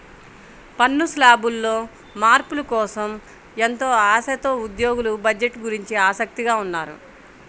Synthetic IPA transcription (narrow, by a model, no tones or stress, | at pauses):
pɐnːuslaːbulːo̞ː | maːɾpulɐkɔːsɐm | ent̪o̞ːaːsɐt̪o̞ːud̪jo̞ːɡulubɐd͡ʒeʈːɡuɾiɲt͡ʃiaːsɐk̚t̪iɡaːunːaːɾṵ